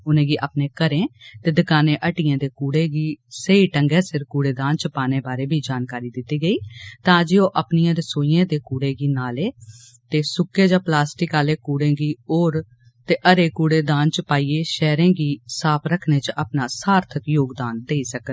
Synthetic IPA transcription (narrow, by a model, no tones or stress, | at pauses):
ʊnẽːɡiːʔapnẽːkəɾẽːt̪eːd̪ɪkaːnẽːʔəʈiːãːd̪eːkuːɽeːɡiːseiʈəŋɡɛːsɪɾkuːɽeːd̪ãːnt͡ʃəpaːnẽːbaːɾeːbʱiːd͡ʒaːnkaːɾiːd̪ɪt̪ːiːɡəiːt̪ãːd͡ʒiːoːʔəpnɪjãːɾɪsoːijãːd̪eːkuːɽeːɡiːnaːleː | t̪eːsʊkːeːd͡ʒãːplaːsʈɪkaːleːkuːɽẽːɡiːoːɾ | t̪eːʔəɾeːkuːɽeːd̪ãːnt͡ʃəpaːiːeːʃɛːɾẽːɡiːsaːpʰɾəkʰnẽːt͡ʃʔapnaːsaːɾt̪ʰəkjoːɡd̪aːnd̪eːisək